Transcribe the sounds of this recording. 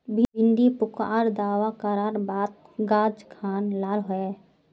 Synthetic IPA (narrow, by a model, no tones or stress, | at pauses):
bʱɪɪ̃nd̪ipʊkaːɾd̪aːwakəɾaːɾbaːt̪̚ | ɡaːd͡ʒkʰaːnlaːlɦoe